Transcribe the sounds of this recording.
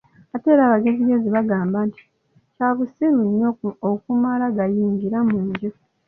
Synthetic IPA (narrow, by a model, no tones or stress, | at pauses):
ate̞ːɾaːβaɡe̞ziɡe̞ziβaɡaːmbaːnti̥ | caːβusiɾunːookumalaɡajiːɲɡiɾamuːɲɟo